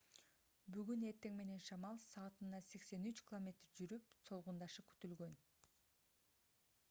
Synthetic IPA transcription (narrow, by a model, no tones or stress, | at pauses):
byɡyne̞ɾt̪e̞ŋme̞ne̞nʃɑmɑlˠsɑːt̪ɯnːɑse̞kse̞nyt͡ʃkʲilˠomʲe̞t̪rd͡ʒyɾypso̞lˠʁund̪ɑʃɯky̥t̪ylɡø̞n